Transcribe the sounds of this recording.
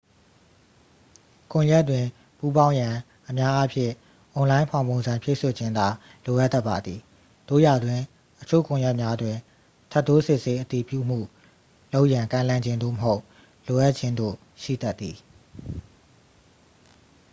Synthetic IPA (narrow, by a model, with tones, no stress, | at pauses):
kʊ̃˨jɛ˦tːwɪ̃˨ | pu˦bã˦ʊ̃jã˨ | ʔəmja˦ʔa˦pʰjɪ̰̃˦˨ | ʔõ˨lã˦ɪ̃mpʰã˨ʊ̃mõ˨ʊ̃nzã˨mpjḛ˦˨so˨d͡ʑʰɪ̃˦nd̪a˨ | lo˨ʔa˦t̪ːa˦ʔpːa˨d̪ði˨ | d̥o̰˦˨ja˨dwɪ̃˨ | ʔət͡ɕʰo̰˦˨kʊ̃˨jɛ˦ʔmja˦dwɪ̃˨ | tʰa˦ʔt̪ːo˦sɪ˦ʔse˦ʔət̪i˨pjṵ˦˨m̥ṵ˦˨ | lo˦ʊʔjã˨ŋkã˦˨ɪ̃lã˦˨ɲd͡ʑɪ̃˦nd̪o̰˦˨məɦo˦ʊ | lo˨ʔa˦ʔ̚t͡ɕʰɪ̃˦nd̪o̰˦˨ | ʃḭ˦˨t̪a˦t̪ːi˨